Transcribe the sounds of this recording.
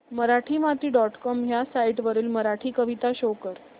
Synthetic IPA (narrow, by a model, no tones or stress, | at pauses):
məɾaʈʰiːmat̪iːɖɔʈkɔmɦjasaiʈʋəɾiːlməɾaʈʰiːkəʋit̪aɕokəɾ